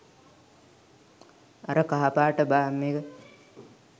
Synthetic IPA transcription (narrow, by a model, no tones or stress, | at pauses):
aɾəkaɦapaːʈəbaːmːeːɡə